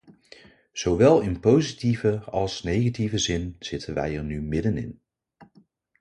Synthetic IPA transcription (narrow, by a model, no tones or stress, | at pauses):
z̥owʋɛlˠɪnpowzitivəɑlˠsnejχativəzɪnz̥ɪtənʋɛ̰jɛɹnymɪdənɪ̰n